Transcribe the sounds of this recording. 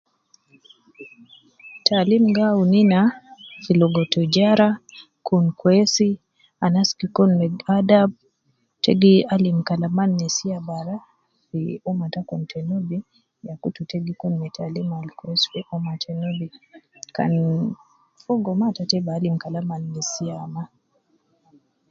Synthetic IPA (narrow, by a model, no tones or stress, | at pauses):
talimɡauninafilɔɡɔtɔd͡ʒaɾa | kunkwɛsi | anaskikɔnmɛɡadab̚ | tɛ̰ɡialim̩kalamanːɛsiabaɾa | fiɔmatakɔntɛnɔbi | jakututɛɡikɔnmɛtalimalkwɛswiʔɔmatɛnɔbika̰n | fɔɡɔmatatɛbaːlim̩kalamanːisiama